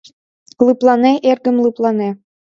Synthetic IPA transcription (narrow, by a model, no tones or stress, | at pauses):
lɯplˠɑneʔerɡə̆mlˠɯplˠɑne